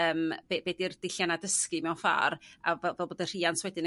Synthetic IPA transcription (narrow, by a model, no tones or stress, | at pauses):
əːmb̥eːbeːdird̥ɪɬjanadəskɨmɛwafa̰ɾa̰vɛlˠvɛlˠboːdər̥iːanswɛdɪnə